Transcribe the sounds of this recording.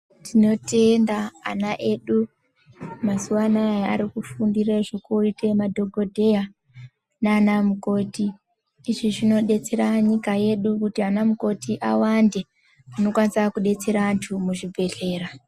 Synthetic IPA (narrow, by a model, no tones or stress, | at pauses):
tino̞te̞ndaːnaʔe̞ɗu | masuwanajaa̰ɾikufundireʐokuitemadʱo̞ɡʱo̞dʱe̞a | naːnamuko̞tiː | ʐiʐino̞ɗe̞t͡se̞ɾaɲikaje̞ɗukutianamuko̞tiʔawande̞ | ano̞kwanisakuɗe̞t͡se̞ɾaːntʰumuʐibʱe̞ɮe̞ːra